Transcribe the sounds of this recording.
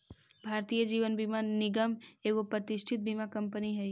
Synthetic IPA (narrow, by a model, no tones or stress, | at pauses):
bʱaːɾt̪ijəd͡ʒiːʋənbimanɪɡəmeːɡopɾət̪ɪʃʈʰɪt̪̚bimakɐ̃mpəniɦɛ